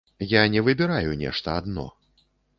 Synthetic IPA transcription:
janʲɛvɨbʲɛɾajunʲɛ̰ʂt̪ɐad̪nɔ̰

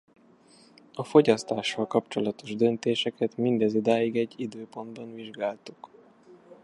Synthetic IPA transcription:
ɒfo̞ɟɒst̪aːʃːɒlkɒpt͡ʃo̞lɒt̪o̞ʒd̪ønt̪eːʃɛkɛt̪mind̪ɛzud̪aːjiɡɛɟːid̪øːpo̞nd̪bɒnviʒɡaːlt̪uk

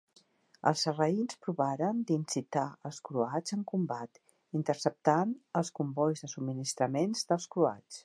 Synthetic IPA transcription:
ə̰lˠzərəinspɾuβaɾənd̪insit̪aəlˠskɾuad͡zəŋkumbat̪ | int̪ərsəp̚t̪anəlˠskumbɔjzðəsubminist̪ɾəmenzðəlˠskɾua̰t͡s

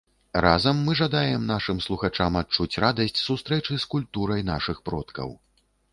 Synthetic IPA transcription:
razɐmːɨʐad̪ajɛmnaʂɨmslˠuxat͡ʂamat̚t͡ʂut͡sʲrad̪ɐsʲt͡sʲsust̪ɾɛt͡ʂɨskulʲt̪uɾɐjn̪a̰ʂɨxpɾɔt̪kɐ̰w

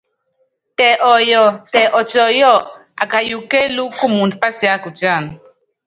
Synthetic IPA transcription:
t̪eʔojot̪eʔot͡ʃojo | a̰kajukelukumunpasjakut͡ʃan

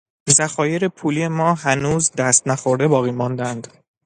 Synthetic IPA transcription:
zæxɒːje̞ɾepʰuːliːemɒːɦænuːzd̪æst̪næxo̞ɾd̪e̞bɒːɣiːmɒːnd̪ænd̪̥

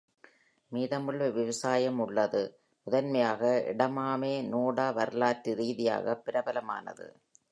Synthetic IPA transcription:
miːðɐmɯɭʋɐʋɪʋɐsaːjɐmʊɭːɐðɯ | mʊðɐnmɐjaːɣɐɪ̰ɽɐmaːmeːnuːɽaːʋɐɾɯlaːʈːiɾiːðɪja̰ːɣɐpːɪɾɐbɐlɐma̰ːnɐ̰ðɯ̰

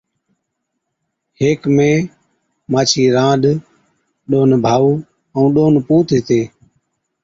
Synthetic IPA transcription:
heːkmẽː | maːt͡ʃʰiːɾãːɗ̪ | ɗoːnbʱaːuː | əũːɗoːnpuːt̪ːt̪eː

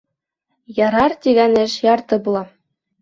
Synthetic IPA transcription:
jɑɾɑrt̪ʲiɡænɘ̆ʃjɑrt̪ɤ̆bulˠɑ

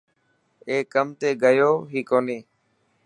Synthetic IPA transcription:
eːkːəmt̪eːɡəjoːɦiːkoːneː

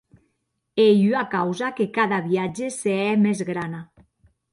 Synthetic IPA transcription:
ejyakawzakekaðaβiad͡ʒeseɛmezɣɾana

